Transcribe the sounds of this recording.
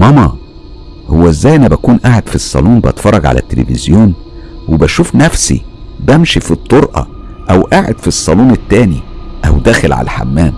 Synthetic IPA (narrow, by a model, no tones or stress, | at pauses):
mɑmɑ | howːæʔezːæːjʔænːæbækuːnʔaʕed̪̥fisˤːɑ̰luːmbʔɑ̰t̪fɑrˤːɑɡʕa̰læ̰t̪ːelḛfizjoːnwebæʃuːfnæfsḭbæmʃifit̪ˤːoɾʔɑ̰ | ʔæwʔaʕḛd̪fisˤːɑluːnet̪ːæːniʔæwd̪æːxelʕa̰læ̰ħa̰mːæːm